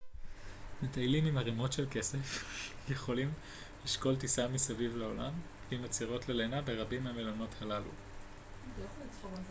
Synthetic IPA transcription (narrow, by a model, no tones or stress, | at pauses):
met̪ajlimimaʁimo̞tʃe̞lke̞se̞fje̞χo̞lim | liʃko̞lt̬isamisavivleo̞lam | imat͡siʁo̞tlelenabe̞ʁabimhamelono̞thalalṵ